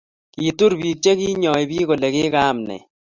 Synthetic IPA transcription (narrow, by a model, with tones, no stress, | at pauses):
ki˨tu˦ɾbi˨k̚t͡ʃe˦ki˦ɲɔ˨i˨bi˦ɣo˨le˨kɪ˦ka˦mnɛ̰˨